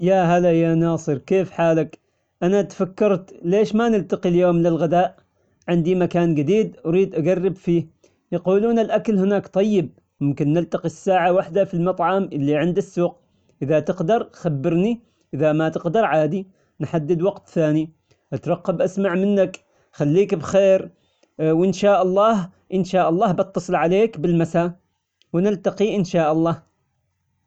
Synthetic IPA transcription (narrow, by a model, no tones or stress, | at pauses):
jaɦalajanɑːsˤɨɾkeːfħaːlak | ʔanat̪fakːɑɾˤt̪leːʃmanɪlt̪aqiljoːmlɪlɣɪd̪aːʔ | ʕɪnd̪imakaːnɡɪd̪iːd̪ʔaɾiːd̪ʔaɡɑrːɪbfiː | jɑquːluːnalʔakalhɪnaːkt̪ˤɑjːɪb̚ | mʊmkɪnːɪlt̪aqisːaːʕawaħd̪afilmɑt̪ˤʕɑmʔɪlːiʕɪnd̪asːuːq | ʔɪðat̪ɪqd̪ɑɾˤxabːɪɾni | ʔɪðamat̪ɪqd̪ɑɾˤʕaːd̪i | nħad̪ːɪd̪wɑqt̪θaːni | ʔat̪ɾˤɑqːɑbʔasmaʕmɪnːak | xalːiːkbxeːɾ | wɪnʃaːʔɑlˤːɑːh | ʔɪnʃaːʔɑlˤːɑːbɑt̪ːɑsˤɨlʕaleːkbɪlmasaː | wɪnɪlt̪ɑqiʔɪnʃaːʔɑlˤːɑːh